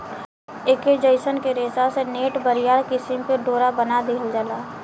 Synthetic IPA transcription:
ɪked͡ʒəɪsənkeɾeːsaseneːʈbəɾɪjaːɽkɪsɪmpeɖoːɾabənad̪iɦəld͡ʒəlaː

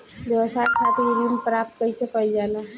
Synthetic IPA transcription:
ʋjəʋsaːekʰaːt̪ejuɾiːnpɾaːp̚t̪kəɦisepəid͡ʒaːnaɦ

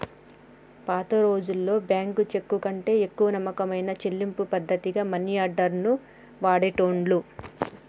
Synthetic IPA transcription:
paːt̪ɐɾo̞ːd͡ʒulːo̞ːbjaːŋkut͡ʃe̞kːukɐɳʈe̞ːekːuʋɐnɐmːɐkɐmɐjnɐt͡ʃe̞lːimpupɐd̪ʱːɐt̪iɡaːmɐnijaːɖɐɾnu | ʋaːɽeʈoːɳɖlu

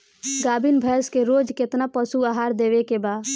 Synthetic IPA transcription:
ɡaːbinbʱɛːskeɾoːd͡ʒket̪napəsuaːɦaːɾd̪eːʋekebaːd̪

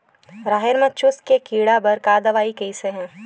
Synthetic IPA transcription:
ɾaːɦɪɾmɐt͡ʃʊskekiːɽabɐɾkaːd̪əʋaːikɐɪseɦɛ̃ː

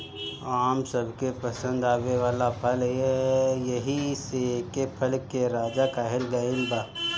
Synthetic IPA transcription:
aːmsəbʱkepəsə̃nd̪aːʋeʋaːlapʰəlejɐɦisekepʰɐlkeɾaːd͡ʒakaːɦɪlɡaɪlbaː

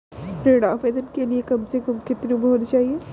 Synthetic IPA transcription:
ɾeːɽaːfeːd̪ənkeliekɐmsekɐmkɪt̪niũbɦoːnit͡ʃaːɦie

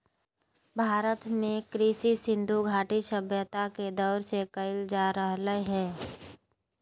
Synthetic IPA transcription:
bʱaːɾət̪mẽkɾiːsisɪ̃nd̪ʱuɡʱaːʈiʃəbjət̪aked̪ɔːɾsekəɪld͡ʒaɾəɦləɦɛ̃ː

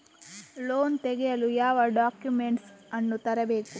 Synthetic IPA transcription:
loːnt̪eɡɛjɐlujaːʋɐɖaːkjumeɳʈsɐnːut̪ɐɾɐbe̞ːku

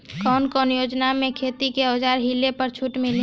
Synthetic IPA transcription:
kɔːnkɔːnjoːd͡ʒnamẽkʰeːt̪ikeəːd͡ʒaːɾɦilepəɾt͡ʃʰuʈmɪl

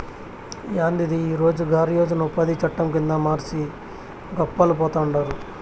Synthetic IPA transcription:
jaːnd̪id̪iːɾo̞ːd͡ʒuɡaːɾijoːd͡ʒunɐupːɐd̪it͡ʃɐʈːɐmkind̪ɐmaːɾt͡ʃi | ɡɔpːɐlupɔːt̪aːuɳɖaːɾu

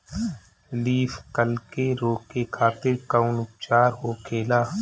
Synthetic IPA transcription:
liːfkəlkeɾoːkekʰaːt̪ɪɾkaʊnʊp̚t͡ʃaːɾɦoːkʰeːlaː

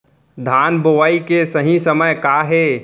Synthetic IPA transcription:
d̪ʱaːnboʋaːikesəɦĩsəməjkaɦe

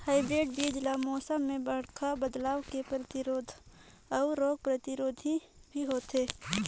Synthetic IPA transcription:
haːɪbɾeːɖbiːd͡ʒlamɔːsəmːẽbəɽ̤kʰabəd̪laːʋkepɾət̪ɪɾoːd̪ʱ | ɔːɾoːɡ̚pɾət̪ɪɾoːd̪ʱibʱiɦoːt̪eː

